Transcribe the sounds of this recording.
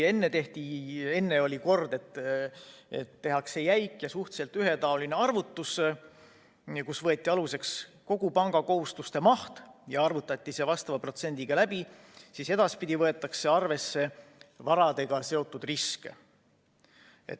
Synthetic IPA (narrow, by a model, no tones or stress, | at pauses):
e̞nːe̞t̪e̞ht̪ie̞nːe̞o̞lʲiko̞rd̪̥e̞t̪ː | ḛt̪ːe̞ɦɑkse̞jæjkːˑjɑsuht̪se̞lt̪yɦe̞t̪ɑo̞line̞ɑrvut̪ːus | kusvɤ̞et̪ʲːˑiɑluse̞ks | ko̞ɡ̥upɑŋɡ̥ɑko̞ɦust̪ust̪e̞mɑht̪jɑɑrvut̪ːˑɑt̪ʲˑːise̞vɑst̪ɑvɑpro̞t̪se̞nʲd̪iɡ̥ɑlæb̥i | sise̞d̪̥ɑspid̪̥ʲivɤ̞e̞t̪ːˑɑkse̞ɑrve̞sːe̞vɑɾɑd̪e̞ɡ̥ɑse̞o̞t̪ːˑud̪̥riske | ḛt̪